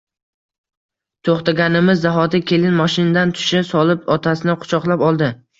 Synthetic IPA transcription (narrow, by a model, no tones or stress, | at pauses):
t̪ʰoχt̪aɡʲanɪmɪzːaɦɒd̪akʲʰe̞lɪnmɒʃɪnad̪ant̪ʰʊ̥ʃɪsɒlˠɪpɒt̪ʰasɪnɪqʰʊ̥t͡ʃʰɒqlˠapɒlˠd̪ɪ